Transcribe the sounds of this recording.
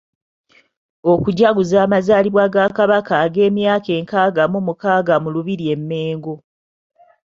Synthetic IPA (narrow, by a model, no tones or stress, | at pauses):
okuɟaɡuzaːmazaːliβwaɡakaβakaːɡe̞ːmjaːke̞ːŋkaːɡamumukaːɡamuluβiɾie̞mːe̞ːŋɡo